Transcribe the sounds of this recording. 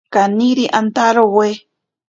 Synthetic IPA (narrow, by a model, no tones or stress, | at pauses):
kaniɾiʔant̪aɾowe